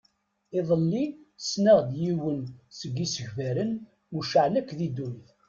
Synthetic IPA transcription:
ɪðˤəlːisnəʁd̪jiwənsəɡːisəʝvæɾən | uʃəʕlækːðid̪ujθ

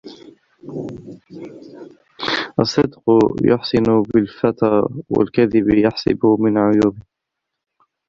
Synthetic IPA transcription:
ʔɑsˤːɨd̪qjʊ̰ħsɪnʊbɪlfat̪aːwa̰lkaðɪbjaħsˤɪ̰bʊmɪnʕʊjuːbɪ

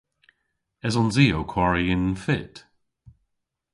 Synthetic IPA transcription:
ɛzɔnziːokʰwaɹiɪnfɪt

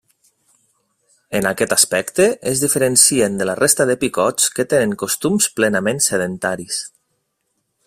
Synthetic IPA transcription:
enakɛt̪aspɛkt̪əʔezðifəɾənsiend̪əlarʔest̪əðəpikɔt͡skət̪enəŋkost̪umsplenamẽnseð̞ent̪aɾis

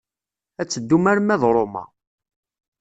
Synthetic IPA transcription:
æt͡sːəd̪ːumæɾmæðɾˤomɑ̰

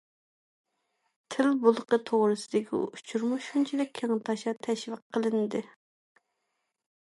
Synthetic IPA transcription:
t̪ʰɪlbulˠəqət̪ʰoʁɾɨsɨd̪ɪkʲʰḭut͡ʃʰuɾmuʃunt͡ʃʰid̪ɪkʲʰːeŋt̪ʰɑʃɑt̪ʰɛʃvəqʰːəlˠɨnd̪ɨ

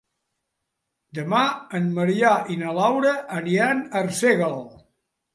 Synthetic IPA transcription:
d̪əmaənməɾiaʔinəlawɾəʔːɾianərseɣəlˠ

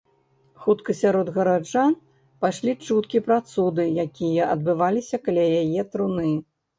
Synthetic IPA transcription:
xut̪kɐsʲaɾɔd̪ɣɐɾad͡ʐan | paʂlʲit͡ʂut̪kʲipɾat̪sud̪ɨjakʲijɐʔɐd̪bɨvalʲisʲɐkɐlʲajajɛt̪ɾunɨ

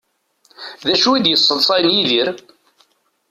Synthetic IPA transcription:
ðæʃuid̪jəsˤːəðˤsˤɑjnjiðiɾ

